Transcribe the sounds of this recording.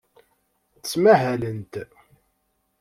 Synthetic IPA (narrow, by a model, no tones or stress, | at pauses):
θt͡sːmæɦælənt̪